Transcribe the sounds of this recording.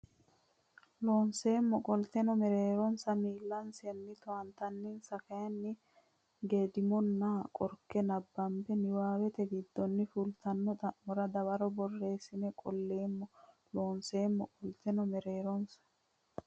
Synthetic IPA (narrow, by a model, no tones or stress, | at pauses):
loːnse̞ːmːɔkʼɔlt̪ɛnɔmɛɾeːɾɔnsɐmiːlːɐnsɛnːɪt̪ɔwɐnt̪ɐnːɪnsɐkɐjɐnːɪ | ɡeːd̪ɪmɔnːakʼɔɾkːɛnɐbːɐmbɛnɪwaːwɛt̪ɛɡɪd̪ːɔnːɪfʊlt̪ɐnːɔt̪ɐmɔɾɐd̪ɐwɐɾɔbɔrːe̞ːsɪnɛkʼɔlːe̞ːmːɔ | loːnse̞ːmːɔkʼɔlt̪ɛnɔmɛɾeːɾɔnsɐ̥